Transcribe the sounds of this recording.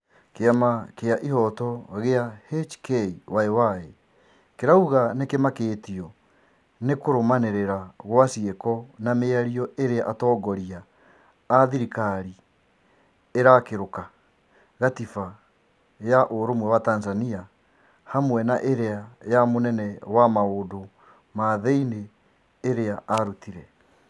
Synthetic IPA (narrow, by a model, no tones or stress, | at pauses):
keamakeaʔiɦɔtɔɣeahet͡ʃkeiwaewae | keɾauɣanekemakeːtiɔ | nekoɾomaneɾeɾaɣwasiekɔnameaɾiɔeɾeaʔatɔːɡɔɾiaː | ðiɾikaɾi | eɾakeɾoka | ɣatifa | jaʔoɾomwɛwatanzania | hamwɛnaʔeɾeajamonɛnɛwamaodo | maðeineː | ɾeaaɾutiɾɛ